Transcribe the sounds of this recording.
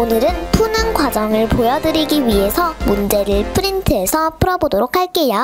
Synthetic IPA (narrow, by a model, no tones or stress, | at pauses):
onɯɾɯnpʰunɯnɡwad͡ʑʌŋɯɭpojʌdɯɾiɡiɥiɦe̞sʰʌmund͡ʑe̞ɾɯɭpʰɯɾintʰɯɦe̞sʰʌpʰɯɾʌbodoɾok̚ʰaɭk͈e̞jo